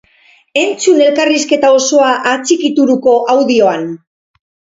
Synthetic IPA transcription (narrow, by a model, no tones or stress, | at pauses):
e̞nt͡sune̞lkariske̞t̪ao̞so̞aʔat͡sikit̪uɾuko̞ʔawðio̞an